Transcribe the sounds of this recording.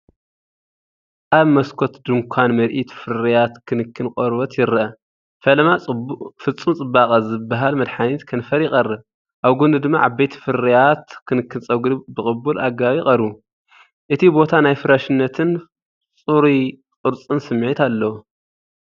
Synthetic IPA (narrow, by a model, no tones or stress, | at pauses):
ʔaβmɐskʰot̪d̪ɨŋkʷʰanmɐɾʔit̪fɨɾijat̪kʰɨnɨkʰːɨnkʼoɾbɐt̪ʰjɪɾʔɐ | fɐlmafɨt͡sʼːumt͡sʼɨbːakʼɐzɨbaɦalmɐd̪ħanit̪kʰɐnfɐɾjɪxʼɐrːɨβ | ʔaβɡund̪ɨd̪ɨmːa̰ʔaβbejt̪ʰi̥fɨɾijat̪kʰɨnɨkʰːɨnt͡sʼɐɡd̪ɨbɨkʼɨbːulʔaɡaβikʼɐɾu | ʔɨt̪ʰibo̞t̪ʰanajfɨɾaʃɨnːɐt̪ʰɨn | t͡sʼuɾi | t͡sʼɨɾt͡sʼɨnsɨmːʕit̪alːɐwu